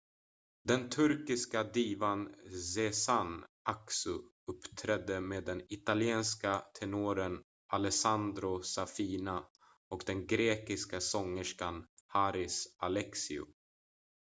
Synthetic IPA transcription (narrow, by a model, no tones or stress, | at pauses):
d̪ɛnt̪ʰɵɾkɪskad̪iːvansɛsanʔaksɵ | ɵpːt̪ʰɾɛd̪ːəmeːd̪ːɛnɪt̪alɪeːnskat̪ʰɛnuɾən | ʔalɛsand̪ɾʊsafiːna | ɔkd̪ɛnɡɾeːkɪskasɔŋːəʂkanhaɾɪsalɛksɪʊ̰